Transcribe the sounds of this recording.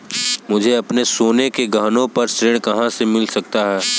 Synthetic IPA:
mʊd͡ʒʱeɐpnesoːnekeɡaːnõpɐɾsɾeːɽ̃kɐɦãsemɪlsɐk̚t̪aɦɛː

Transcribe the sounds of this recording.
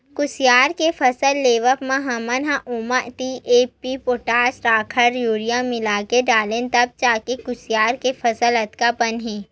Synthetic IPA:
kʊsjaːɾkefʰɐsəlːeːʋəpmãɦɐmɐnɦãʔʊmaʔt̪iʔeːpipoːʈaːsɾaːkʰəɾjuːɾijãmɪlaːkeɖaːlẽːnt̪ɐb̚t͡ʃaːkekʊsjaːɾkefʰɐsəlɐt̪kapɐnɦẽː

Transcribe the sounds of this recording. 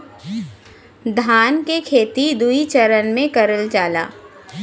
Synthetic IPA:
d̪ʱaːnkekʰeːt̪id̪uit͡ʃɐɾənmẽkɐɾəlt͡ʃaːla̰ː

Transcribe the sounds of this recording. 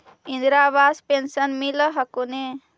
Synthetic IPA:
ind̪ɾaːβaːspensɐnmilɐɦɐkune

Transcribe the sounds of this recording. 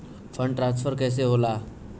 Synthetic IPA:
fəɳɖʈɾãnsfʰəɾkɛjs̬eɦola

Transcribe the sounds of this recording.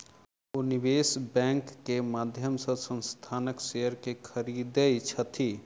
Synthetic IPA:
unibeːsbɛ̃ŋkːemaːd̪ʱjəmsə̃sə̃nst̪ʰaːnəksejəɾkekʰəɾiːd̪əjt͡ʃʰət̪ʰi

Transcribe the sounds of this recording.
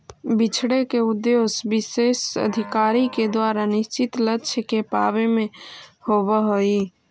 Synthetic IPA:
bit͡ʃʰɽekeud̪josbisesə̰d̪ʱikaːɾiked̪waːɾanɪst͡ʃit̪lətːʃʰkepaːβemẽhobəɦoi

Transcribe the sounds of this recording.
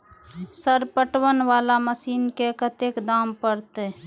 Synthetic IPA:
səɾpəʈʋənʋalaməsiːnkekət̪ekd̪ampəɾt̪ɛ

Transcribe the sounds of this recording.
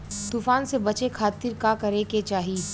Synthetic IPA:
t̪uːfaːnsebɐt͡ʃekʰaːt̪ɪɾkakɐɾeket͡ʃaːɦi

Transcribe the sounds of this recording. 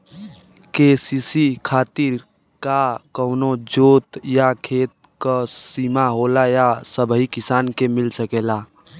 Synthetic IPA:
keːsiːsikʰaːt̪ɪɾ | kakəʊnod͡ʒoːt̪jakʰeːt̪̚ | kəsiːmaɦoːlajasəbʱɦikɪsaːnkemɪlsəkeːla

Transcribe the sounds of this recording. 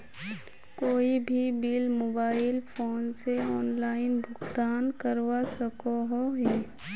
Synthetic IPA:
koːibʱibiːlmoːbaːɪlpʰoːnseɔːnlaːɪnbʱʊɡt̪aːnkəɾwasəkoɦoɦɛː

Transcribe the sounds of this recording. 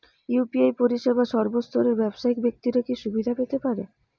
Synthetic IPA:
jupiajpoɾiʃebʱaʃɔɾbost̪ʰoɾeɾbɛbʃaikbek̚t̪iɾakiʃubid̪ʱapet̪epaɾe

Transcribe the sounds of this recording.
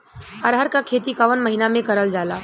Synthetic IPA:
əɾɦəɾkakʰeːt̪ikaʋənmɐɦinamẽkɐɾəld͡ʒaːlaː

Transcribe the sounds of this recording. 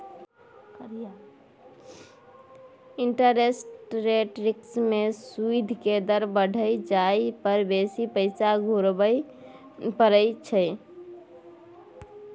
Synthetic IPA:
kɾja | iɳʈəɾesʈɾeʈɾiksmesuid̪ʱked̪əɾbəɖʱəd͡ʒajpəɾbesipəɪsaɡʱuɾbəj | pəɾəjt͡ʃʰə

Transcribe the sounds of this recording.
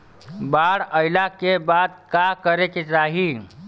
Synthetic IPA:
baɽəɪlakebad̪̚kakəɾeket͡ʃaɦi

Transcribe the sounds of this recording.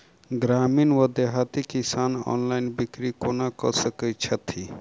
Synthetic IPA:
ɡɾaːminʋəd̪eɦat̪ikisaːnɔ̰ːnlainbikɾikonakə̰səkət͡ʃʰət̪ʰi

